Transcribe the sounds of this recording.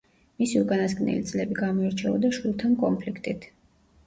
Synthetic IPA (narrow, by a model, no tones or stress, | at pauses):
misiukʼanasɡnɛ̰lit̪sʼlɛbiɡamɔiɾt͡ʃʰɛɔd̪aʃwilˠt̪ʰankʼɔmpʰlikʰt̪ʼit̪ʰ